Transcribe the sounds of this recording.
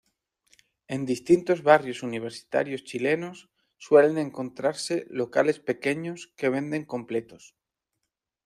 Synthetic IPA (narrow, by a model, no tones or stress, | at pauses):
e̞nd̪ist̪int̪o̞zβarjo̞suniβ̞e̞ɾsi̥t̪a̰ɾjo̞st͡ʃile̞nosː | we̞lenẽ̞ŋko̞nt̪ɾaɾse̞lo̞kale̞spe̞ke̞ɲo̞ske̞β̞e̞nd̪e̞ŋko̞mple̞t̪o̞s